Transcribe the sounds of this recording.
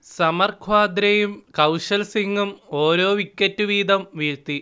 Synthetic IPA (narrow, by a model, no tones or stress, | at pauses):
sɐmɐrkʰwaːd̪ɾɐjumkɐwʂɐlsiŋɡumo̞ːɾo̞ːʋikʲːɐtːuʋiːd̪ɐmʋiːɻt̪ːi